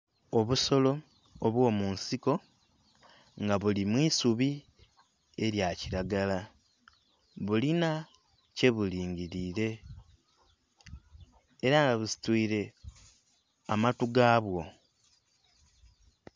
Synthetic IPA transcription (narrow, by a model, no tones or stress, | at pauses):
o̞βuso̞lo̞ː | βwo̞ːmunsiko̞ | ŋɡaβulimwiːsuβi | e̞ɾjaciɾaɡala | βulina | ce̞βuliːɲɟiɾiːɾe̞ | ɾaŋɡaβusi̥twiːɾe̞ | amatuɡaːβwo̞